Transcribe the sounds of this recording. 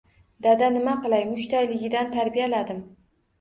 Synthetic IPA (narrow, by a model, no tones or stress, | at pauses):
d̪ad̪anɪmaqɨlˠajmʊʃt̪ʰajlɪɡʲɪd̪ant̪ʰaɾbijalad̪ɪm